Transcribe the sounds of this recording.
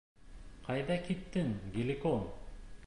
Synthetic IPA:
qɑjðɑkit̪ːɘŋɡʲelʲikon

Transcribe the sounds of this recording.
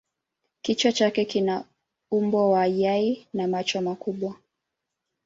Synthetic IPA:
kit͡ʃɔt͡ʃakɛkina | umbɔwaːjainamat͡ʃɔmakuɓwa

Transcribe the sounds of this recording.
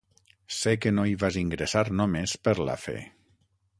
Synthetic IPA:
sekenoiβaziŋɡɾesaɾnomespəɾla̰fḛ

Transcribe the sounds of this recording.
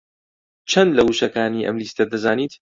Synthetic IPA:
t͡ʃʰɐnlɐwuʃɐkaːniːʔɐ̰mliːst̪ɐd̪ɐzaːniːt̪

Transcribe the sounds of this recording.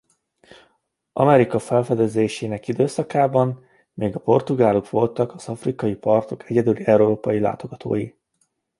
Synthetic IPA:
ʔɒ̰mɛɾikɒfɛlfɛd̪ɛzeːʃeːnɛkid̪øːsɒkaːbɒn | meːɡɒpo̞rt̪uɡaːlukʋo̞lt̪ɒkɒz̥ɒfrikɒjipɒrt̪o̞kʰɛɟɛd̪yliɛuɾoːpɒjila̰ːt̪o̞ɡɒt̪ʰo̰ːji

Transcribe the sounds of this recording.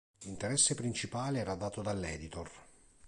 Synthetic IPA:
lint̪eɾɛsːepɾint͡ʃipaːleɛːɾad̪aːt̪od̪alːɛːd̪it̪or

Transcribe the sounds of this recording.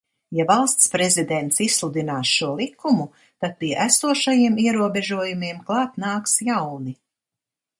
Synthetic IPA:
javalˠst̪spɾezid̪ɛnt̪sisslˠud̪inaːsʃuɔlˠikːumu | t̪ad̪̥̚piɛʔæsuɔʃajiɛmiɛɾuɔbɛʒuɔjumiɛmklˠɑːt̪naːksjawni

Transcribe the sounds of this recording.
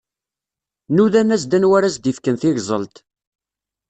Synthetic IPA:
nuðænæsd̪ænwæɾæsd̪ifkənθɪʝzˤə̰lt̪

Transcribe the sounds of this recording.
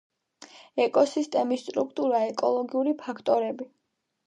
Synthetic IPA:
ɛkʼɔsist̪ʼɛmist̪ʼɾukʰt̪ʼuɾaɛkʼɔlˠɔɡiuɾipʰakʰt̪ʼɔɾɛbi

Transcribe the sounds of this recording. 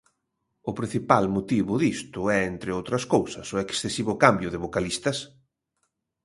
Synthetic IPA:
ʊpɾĩn̟θipalmot̪iβʊðist̪ʊɛent̪ɾɪowt̪ɾɐskowsɐsʊeksθesiβʊkambjʊðɪβokalist̪ɐs

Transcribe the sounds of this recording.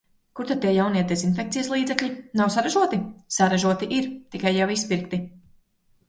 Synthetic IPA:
kuɾt̪ad̪̚t̪iɛjawnijɛd̪ɛszinfʲek̪̚sijəslˠiːd̪zɛklʲʎʲinawsaɾaʒuɔt̪isaɾaʒuɔt̪iʔiɾt̪ikajːawispiɾkt̪i

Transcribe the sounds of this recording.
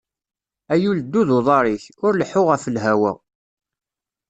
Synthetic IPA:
æjuld̪ːuðoðˤɑɾˤiçʊɾləħʊʁæfəlɦæwə̰ʁ

